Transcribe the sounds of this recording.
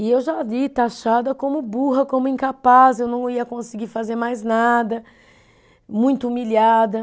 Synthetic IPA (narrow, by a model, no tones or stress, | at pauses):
ɪewʒavit̪aʃad̪ɐkõmʊbuɦɐkõmʊĩkapasewnɐ̃w̃iɐkõsiɡiɾfazeɾmajznad̪ɐ | mũj̃t̪ʊumilad̪ɐ